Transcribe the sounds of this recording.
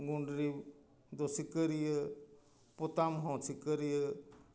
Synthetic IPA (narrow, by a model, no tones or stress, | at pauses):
ɡuɳɖɾi | d̪osikəɾijə | put̪amɦɔ̃sʰikəɾijə